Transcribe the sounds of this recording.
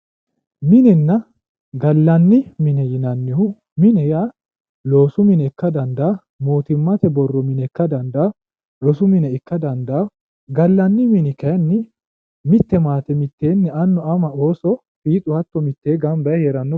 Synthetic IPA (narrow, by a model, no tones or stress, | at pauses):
mɪnɛnːɐ | ɡɐlːɐnːɪmɪnɛjɪnɐnːɪhʊ | mɪnɛja | lo̞ːsʊmɪnɛkːɐd̪ɐnd̪aː | moːt̪ɪmːɐt̪ɛbɔrːɔmɪnɛkːɐd̪ɐnd̪aː | lɔsʊmɪnɛɪkːɐd̪ɐnd̪aː | ɡɐlːɐnːɪmɪnɪkɐjɐnːɪ | mɪt̪ːɛmaːt̪ɛmɪt̪ːe̞ːnːɛɐnːɔɐmɐo̞ːsɔ | fiːt̪ʼʊhɐt̪ːɔmɪt̪ːeːɡɐmbɐjheːɾɐnːɔ